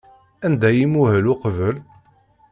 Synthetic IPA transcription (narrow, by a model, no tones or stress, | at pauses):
ænd̪æjimuhəluqəvəl